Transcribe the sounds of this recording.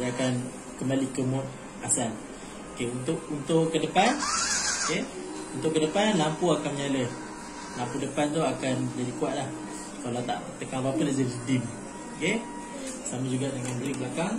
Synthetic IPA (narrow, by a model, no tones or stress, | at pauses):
aakan | kəmbalikəmɔt̪̚ | asan | okeunt̪ʊʔunt̪ʊʔkːədəpanoke | unt̪ʊʔkːədəpanlampuakanmɲaləh | lampudəpant̪oakand͡ʒadikuaʔ̪̚lah | kalat̪a̰ʔt̪əkawaapəlad͡ʒadidim | ke | samad͡ʒuɡaʔdəŋanbəɾibəlakaŋ